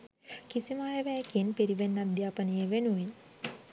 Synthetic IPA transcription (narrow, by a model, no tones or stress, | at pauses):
kisimajeʋæːkinpiɾiʋenːad̪jaːpənəjeʋenuʋin